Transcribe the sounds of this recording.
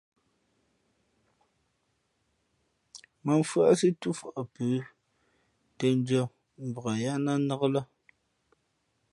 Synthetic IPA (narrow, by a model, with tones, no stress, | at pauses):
mə˨ɱ˨fɰa˦si˦tu˦fɔ˨ʔa˨pəː˨˦ | te˦n˦d͡ʒɔ˦ | m̩˨bə˨ɣa˨ja˦na˦nə˦ɣə˦la˦